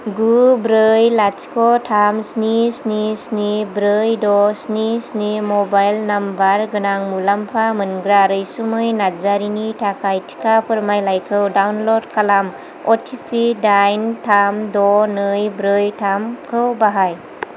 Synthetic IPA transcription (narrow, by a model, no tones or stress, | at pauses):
ɡubɾɯjlat͡ʃkʰɔtʰamsnisnisnibɾɯjdɔsnisnimɔbajlnambaɾɡɯnaŋmulampʰamɯnɡɾaɾɯjsumɯjnazaɾinitʰakʰajtʰi̥kʰapʰɯɾmajlajkʰɯwdawnlod̚kʰalam | ɔtʰipʰidajntʰamdɔnɯjbɾɯjtʰamkʰɯwbaɦaj